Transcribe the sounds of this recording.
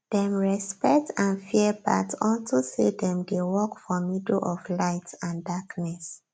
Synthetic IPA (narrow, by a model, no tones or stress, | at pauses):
d̥ɛ̃mɹɛspɛk̚tãnfiəba̰tɔ̃ltosedɛ̃mdewɔkfɔmidlʔɔflaɪtãndaknɛs